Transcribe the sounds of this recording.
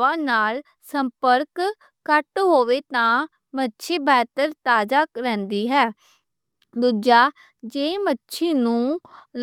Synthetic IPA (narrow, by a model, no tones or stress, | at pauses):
ãːnaːl | səmpəɾkː | əʈɦoːʋeːt̪ãː | mətːʃʰeːbɛːt̪əɾt̪aːd͡ʒaːkɾɛ̃ːnd̪iːɦɛː | d̪uːd͡ʒaː | d͡ʒeːmətːʃʰeːnũːl